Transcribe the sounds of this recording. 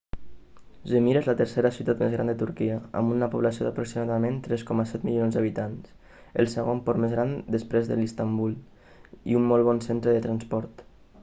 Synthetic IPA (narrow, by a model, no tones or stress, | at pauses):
ʒemiɾezlət̪əɾseɾəsut̪at̪mezɣɾa̰nd̪ət̪uɾkiəa̰munnapuβ̞lasio̰ðapɾoksimaðəment̪ɾɛskɔməsɛt̪milionzd̪aβ̞it̪ans | əlˠsəɣompɔɾmezɣɾand̪əspɾezðə̰list̪ambulˠ | ḭumːɔlˠβɔnsent̪ɾəðət̪ɾanspɔɾt̪